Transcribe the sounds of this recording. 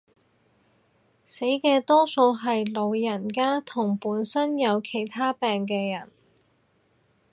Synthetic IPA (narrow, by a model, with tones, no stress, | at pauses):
se˨˥jkɛː˧t̪ɔː˥so˧wɦɐ˨jlo˨˧wjɐ˨˩nkaː˥t̪ʰʊ˨˩ŋpuː˨˥nsɐ˥njɐ˨˧wkʰe˨˩jt̪ʰaː˥pɛː˨ŋk̬ɛː˧jɐ˨˩n